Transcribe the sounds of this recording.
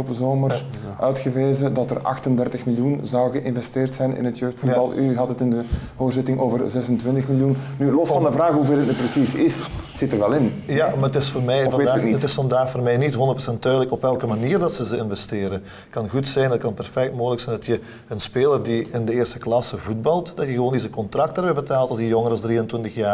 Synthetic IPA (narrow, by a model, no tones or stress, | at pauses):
opəzoːmər | ʔœɥtxəʋeːzədɑtərɑ̰xtəndɛrtəxmɪljunzɑwɣəʔɪnvɛsteːrtsɛjnɪ̰nətjøːxtfubɑlˠʔyɦɑtətɪndə | ɦoːrzɪtɪŋʔoːvərzɛsəntʋɪntəxmɪljunnylɔstfɑndəvraːxɦuveːɾətnyprəsisɪsətsɪtərʋɛlɪnjamaətɪsfoːrmɛjɔfvɑedaːniətɪsfɑndaːxfoːrmɛjnitɦɔndətpro̥sɛntːœːdələkɔpɛlˠkəmaniːrdɑtsəzəɪnvɛsteːɾə | kɑnɣutsɛjnət̚kɑnpɛrfɛk̚tmoːɣələksɛjndɑtjə | ənspeːlərdiɪndəeːrstə̥klɑsəvud̚bɑlˠtd̥ɑtjəɣəʋoːnezəkɔntrɑk̚tərbɛbətaːlˠtɑlzijɔŋəɾɑlsdriːəntwʋɪntəxjaː